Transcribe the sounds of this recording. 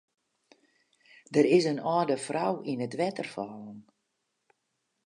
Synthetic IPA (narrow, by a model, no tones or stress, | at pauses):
dəɾɪsənɔːdəfrawinətʋɛtərfɔːlən